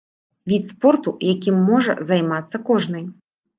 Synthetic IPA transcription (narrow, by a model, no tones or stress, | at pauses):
vʲit̪spɔrt̪ujakʲimːɔʐɐ̰zajmat̪sːɐkɔʐn̪ɨj